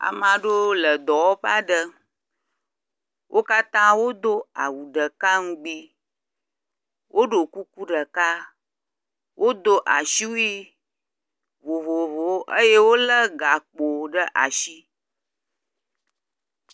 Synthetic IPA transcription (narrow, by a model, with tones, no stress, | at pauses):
a̰˨mã˨ɖo˦lə˨d̪ɔ˨wɔ˦ɸa˦ɖə˦ | wʔo˦ka˦t̪ã˦wo˦d̪o˦a̰˨wu˨ɖə˨ka˦ŋũ˦ɡ͡bi˦ | wʔo˦ɖo˨ku˦ku˦ɖə˨ka˦ | wʔo˦d̪o˦ʔa˨ʃi˦wu˦i˦ | vo˨vo˨vo˨˦ʔə˦je˦wo˦lə˦ɡa˨k͡po˨ɖə˦ʔa̰˨ʃi˦